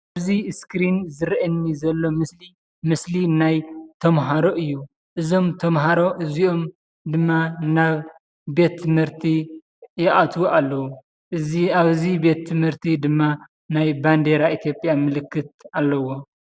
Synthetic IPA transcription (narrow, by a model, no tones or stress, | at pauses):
aβziskɾinzɨɾʔɐnːizɐlːo̞mɨsli | mɨslinajt̪ʰɐmɦaɾo̞ʔɨjːu | ʔɨzo̞mt̪ʰɐmɦaɾo̞ʔɨzio̞m | d̪ɨmːanaβ | be̞t̪ʰːɨmhɨɾt̪ʰi | jɪʔat̪ʰwoʔalːɐwu | aβɨzibe̞t̪ʰːɨmhɨɾt̪ʰid̪ɨmːa | najband̪e̞ɾaʔit̪ʰjo̞pʼjamɨlɨkːɨt̪̚alːɐwo̞